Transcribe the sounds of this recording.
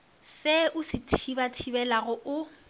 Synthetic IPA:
sɪʊsɪtʰibatʰibɛlaɣʊʔʊ

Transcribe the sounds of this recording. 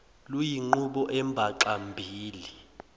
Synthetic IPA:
lujiŋ͡ǃuɓɔʔɛmbʱaǃambʱiːli

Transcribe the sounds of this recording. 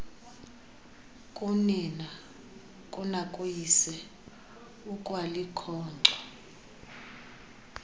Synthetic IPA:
kʼunina | kʼunakʼujisɛ | ukʼwalikʰɔːnǁɔ

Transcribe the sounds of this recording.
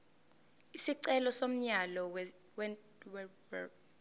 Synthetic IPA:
isiǀɛlɔsom̩ɲalɔw | wɛ | wɛ

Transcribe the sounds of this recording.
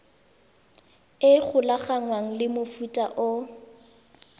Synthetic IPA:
ɪk͡xʰʊlaɣaŋwaŋ̩lɪmʊfutʼaʔʊ

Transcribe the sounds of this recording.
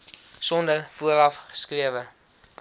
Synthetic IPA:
sɔndəfuəɾɐfχə̥skriəvə

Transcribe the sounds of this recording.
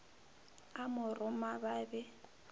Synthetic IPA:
amʊrʊmababɛ

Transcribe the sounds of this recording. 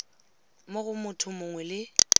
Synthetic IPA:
moɣʊmʊtʰʊmʊŋwɛlɪ

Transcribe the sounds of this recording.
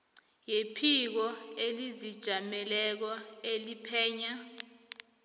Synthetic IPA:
jepʰik̬ɔelizid̥ʒ̥ʱamɛlɛk̬ɔelipʰɛːɲa

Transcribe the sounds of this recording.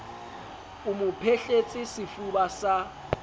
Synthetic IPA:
umupʰeɬet͡sʼisifuɓasa

